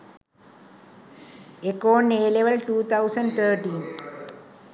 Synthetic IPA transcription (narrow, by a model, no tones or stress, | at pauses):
ekoːneːleʋəlʈuːt̪ʰaʊsə̃ɳɖt̪ʰəːɾʈĩːn